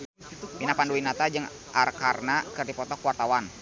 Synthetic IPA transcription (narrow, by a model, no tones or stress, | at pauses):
pinapanduwinat̪ad͡ʒəŋ | ʔarkarnakɨrdipɔt̪ɔkuwart̪awan